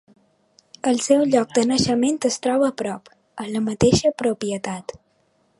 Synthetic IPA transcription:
əlˠsɛwʎɔk̚d̪ənəʃəment̪əst̪ɾɔβ̞əːpɾɔp | ələmət̪eʃəpɾupiət̪at̪

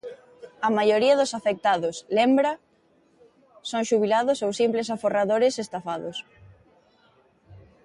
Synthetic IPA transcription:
ɐmajoɾiɐðʊsafek̚t̪aðʊslembɾɐ | soŋʃuβilaðʊsowsimplɪs̬aforaðoɾɪsest̪afaðʊs

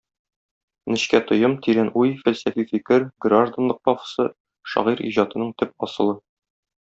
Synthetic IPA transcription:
nɘ̆ɕkæt̪ŏjɤmt̪iɾænujfælsæfifikɘɾɡraʒd̪ə̆nlˠɤq̚pɒfɤ̥̆sɤ | ʃɒ̰ʁiɾḭʑɑt̪ɤ̆nɤɴt̪ɘp̚ɒsɤ̆lˠɤ

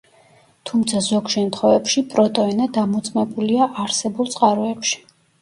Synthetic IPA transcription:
t̪ʰumt̪sʰazɔɡʃɛmt̪ʰχɛvɛpʃipʼɾɔt̪ʼɔinad̪amut̪sʼmɛbuliaʔaɾsɛbulˠt̪sʼqʼaɾɔɛpʃi̥

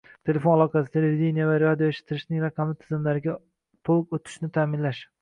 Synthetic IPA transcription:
t̪ʰe̞le̞fo̞nalˠɒqʰɑsɪd̪aeɾd̪ʲinijavaɾad̪ijoeʃɪ̥t̪ʰːɪɾɪʃnɪŋɾɑqʰɑmɪt̪ʰɪzɪmlaɾɪɡʲa | t̪ʰolˠkot̪ʰɪ̥ʃnɪt̪ʰaːmɪnlaʃ

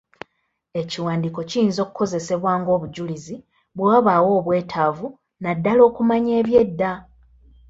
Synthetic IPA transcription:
e̞ciwaːndiko̞cijiːnzo̞ːkuko̞ze̞se̞βwaːŋɡo̞ːβuɟulizi | βwaːβawo̞ːβwe̞ːtʰaːvu | nadːalo̞ːkumaɲe̞ːβje̞dːa

